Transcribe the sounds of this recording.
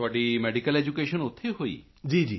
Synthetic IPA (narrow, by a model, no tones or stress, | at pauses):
aɖimɛɖikəled͡ʒukeːʃənot̪ʰːeɦoḭː | d͡ʒiːd͡ʒi